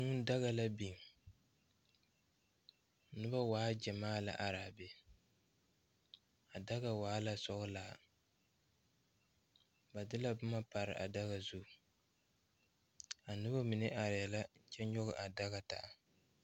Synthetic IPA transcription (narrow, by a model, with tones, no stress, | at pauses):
ŋʊ˦n˦da˦ɣa˨la˦bi˨ŋ˨ | nɨ˦ba˦waː˨˦d͡ʒɛ˨maː˦la̰˨ʔa˨ɾaː˨bɛ˦ | a˨da˦ɣa˦˨waː˨˦la˦sɔ˦ɡɨ˦laː˨ | ba˨dɨ˦la˦bʊ˦ma˦pa˨ɾɨ̰˨ʔa̰˨da˦ɣa˨zu˦˨ | a˨nɨ˦ba˦mi˨nɪ˦ʔa˨ɾɪ˨ja˨la˦t͡ʃɛ˦ɲɔ˦ɣɨ˦˨ʔa˨da˦ɣa˦ta̰˨